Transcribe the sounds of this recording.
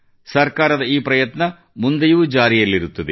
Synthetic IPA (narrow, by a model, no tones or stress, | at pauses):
sɐrkaːɾɐðɐiːprɐjɐt̪nɐ | mund̪ɐjuʋd͡ʑaːɾijɐlːiɾut̪ːɐðɨ